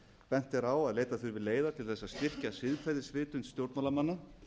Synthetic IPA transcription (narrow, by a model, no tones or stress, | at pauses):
pɛn̥t̪θɛɾaːwaðleːjt̪aθʏɾvɪleːjðat̪ʰɪlθɛsːast̪ɪr̥casɪðkfajðɪsvɪːt̪ʏnst̪jowɾt̪malamanːa